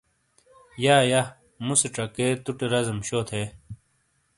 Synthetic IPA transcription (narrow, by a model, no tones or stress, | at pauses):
jaːja | museʈ͡ʂɐket̪uʈeɾɐzɐmɕoːt̪ʰe